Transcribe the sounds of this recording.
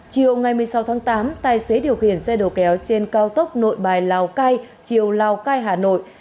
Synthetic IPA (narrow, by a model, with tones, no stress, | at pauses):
t͡ɕi˨əwŋa˨˩jmɨ˨˩əjsa˨˦wt̪ʰːŋt̪aː˨˦mt̪aː˧˩jse˨˦ɗi˨˩əwxḭ˧˩ənsɛ˧ɗo˨˩kɛ˨˦wt͡ɕe˧nkaː˧wt̪ə˦˥wk͡p̚no̰˧˨jɓaː˨˩jlaː˨˩wkaː˧j | t͡ɕi˨˩əwlaː˨˩wkaː˧jɦaː˨˩no̰˧˨jʔ